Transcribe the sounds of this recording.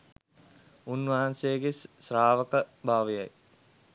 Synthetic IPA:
unʋɐɦansejəɡesːraːʋəkəbʱaːʋija̰j

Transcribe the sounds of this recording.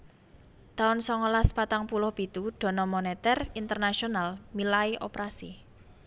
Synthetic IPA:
t̪aʊnsɔŋɔlaspat̪aŋpulʊhb̥i̤t̪uɖ̥ɔ̤nɔmonet̪ɛrint̪ərnasionalmilaiʔopɾasḭ

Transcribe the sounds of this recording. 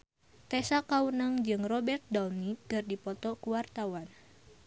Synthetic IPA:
t̪ɛsakawunaŋd͡ʒɨŋrɔbɛrt̪̚dawnitɨrdipɔt̪ɔkuwart̪awan

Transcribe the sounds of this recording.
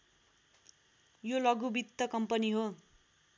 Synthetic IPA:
jolʌɡubit̪ːʌkʌmpʌniɦo

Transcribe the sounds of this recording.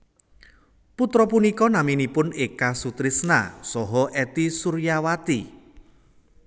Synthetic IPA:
put̪ɾɔpunikɔnaminipʊnekasut̪ɾisna̰sɔɦɔʔɛt̪isuɾjawat̪i

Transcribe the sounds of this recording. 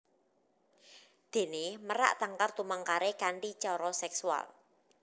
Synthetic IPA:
d̪̥e̤neməɾa̰ʔt̪aŋkart̪umaŋkaɾekaɳɖi̥t͡ʃɔɾɔsɛksua̰l

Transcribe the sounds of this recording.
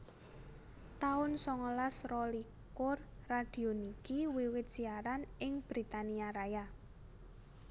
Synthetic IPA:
t̪aʊnsɔŋɔlasrɔli | kʊrː | ad̪̥i̤onikiwiwɪt̪̚ʒ̥iaɾanɪŋb̥ɾit̪aniaɾaja

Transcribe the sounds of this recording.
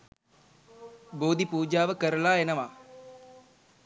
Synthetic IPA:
boːd̪ipuːd͡ʒaːʋəkəɾəlaːenəʋaː

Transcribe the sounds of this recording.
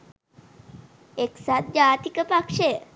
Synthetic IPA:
eksat̪̚d͡ʒaːt̪ikəpakʂejə

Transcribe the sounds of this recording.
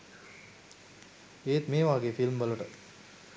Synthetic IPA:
eːt̪meːʋaːɡeːfilmbəluʈə

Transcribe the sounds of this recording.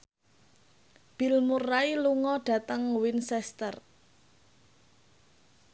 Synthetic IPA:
b̥ɪ̤lmurːailuŋɔɖ̥a̤t̪əŋwinsɛst̪ər

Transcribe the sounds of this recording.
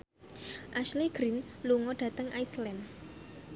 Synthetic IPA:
ʔaʃleɡ̥ɾinluŋɔɖ̥ä̤t̪əŋʔajslɛn

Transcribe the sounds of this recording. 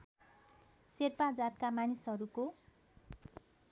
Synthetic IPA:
serpad͡zat̪̚kamanisɦʌɾuko

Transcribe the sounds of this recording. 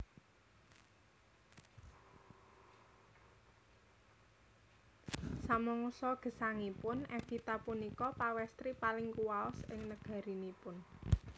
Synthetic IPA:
samɔŋusɔɡ̥ə̤saŋipʊnɛfit̪apunikɔpawɛst̪ɾipalɪŋkuwaɔsɪŋnəɡ̥a̤ɾinipʊn

